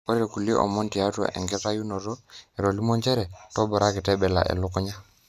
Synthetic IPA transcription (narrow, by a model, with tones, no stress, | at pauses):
ɔ˦ɾe˨ku˨li˦ʔɔ̰˨mɔ˦nti˨a˦twa̰˨ʔɛ̰˨ŋɡɛ˦ta˦ju˦no˨ɾɔ˦e˨ɾo˨li˦mɔ˦nd͡ʒɛ˦ɾɛ˨tɔ˦bɔ˨ɾa˦kɪ˨tɛ˦bɛ˨la̰˨ʔɛ̰˨lʊ˦kʊ˦ɲa˦